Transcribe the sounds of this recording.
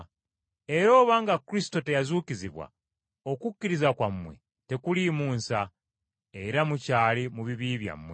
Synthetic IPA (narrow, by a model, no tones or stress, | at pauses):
e̞ɾo̞ːβaŋɡakuɾisi̥to̞te̞jazuːkiziβwa̰ | o̞kukːiɾizakwamːwe̞̰ | te̞kulimuːnsa | eɾamucaːlimuβiβiːβja̰mːwḛ